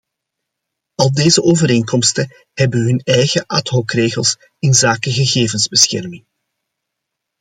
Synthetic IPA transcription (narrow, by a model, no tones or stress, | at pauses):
ɑlˠdeːzəʔoːvəɾeːŋkɔmstə | hɛbəɦʏnɛjɣəʔatɦɔkreːɣəlˠs | ɪnzaːkəɣəɣeːvənzbəsxɛ̰rmɪŋ